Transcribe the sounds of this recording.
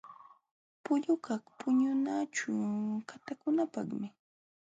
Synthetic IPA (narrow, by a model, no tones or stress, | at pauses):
pʊʎʊkaχpʊɲʊnat͡ʃʊkat̪akʊnapɑ̰χmɪ